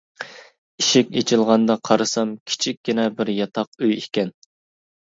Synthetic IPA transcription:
iʃɪkʲet͡ʃʰilˠʁɑnd̪ɑqʰɑɾɨsɑmkʲʰi̥t͡ʃʰikʲːinɛbɪɾjɑt̪ʰɑqøjekʲɛn

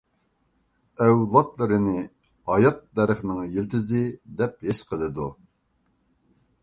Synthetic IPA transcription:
ɛwlˠɑt̪lˠɨɾɨnɪ | ɑjɑt̪̚d̪æɾəχnɪŋjilt̪ʰɪzɪd̪ɛp̚heʃqʰəlˠɨd̪u

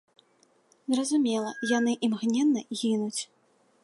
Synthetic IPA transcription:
zrɐzumʲɛlˠɐjanɨʔimɣnʲɛnːɐɣʲinut͡sʲ

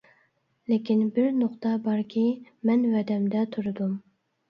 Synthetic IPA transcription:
lɪkʲʰinbɪɾnʊqt̪ɑbɑɾkʲʰimɛnvɛd̪ɛmd̪ɛt̪ʰuɾɨd̪um

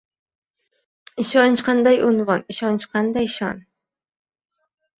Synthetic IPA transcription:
iʃɑnt͡ʃqʰɑnd̪ɑjunvɑniʃɑnt͡ʃqɑnd̪ɑjʃɑ̰n

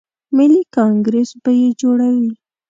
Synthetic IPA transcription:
mɪlikɑŋɡɾesbajed͡ʒoɽawi

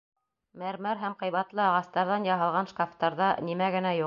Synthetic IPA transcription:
mæɾmæɾɦæmqɤ̆jβɑt̪lˠɤɑʁɑst̪ɑɾðɑnjɑɦɤ̆lˠʁɑnʃkaft̪ɑɾðɑnimæɡɘ̆næju

